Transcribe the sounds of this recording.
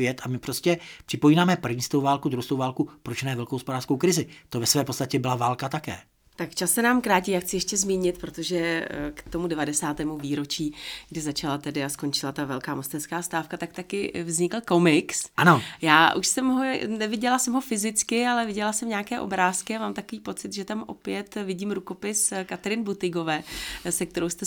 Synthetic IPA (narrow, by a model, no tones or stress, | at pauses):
jɛt̪amɪpɾoscɛpr̥ɪpojiːnaːmɛpr̩vɲiːst̪owvaːlkud̪ɾuwst̪owvaːlkupɾot͡ʃnɛːvɛlkohospodaːrskowkɾɪzɪt̪ovɛsvɛːpot͡st̪acɛbɪlavaːlkat̪akɛ̰ː | t̪akt͡ʃasːɛnaːmkɾaːciːjaːxt͡sɪjɛʃcɛzmiːɲɪt̪pɾo̞t̪oʒɛkt̪o̞mudɛvadɛsaːt̪ɛːmuviːɾo̞t͡ʃiːɡdɪzat͡ʃalat̪ɛdɪasko̞nt͡ʃɪlat̪avɛlkaːmost̪ɛnskaːst̪aːfkat̪ak̚t̪akɪvzɲɪkl̩ko̞mɪksʔanojaːʔuʃsɛmɦonɛvɪɟɛlasɛmɦo̞fɪzɪt͡skɪalɛvɪɟɛlasɛmɲaːkɛːʔo̞bɾaːskɪamaːmt̪akoviːpo̞t͡sɪt̪ʒɛt̪amʔo̞̰pjɛt̪vɪɟiːmɾuko̞pɪskat̪ɛɾɪnbut̪ɪɡo̞vɛːsɛk̚t̪ɛɾowst̪ɛ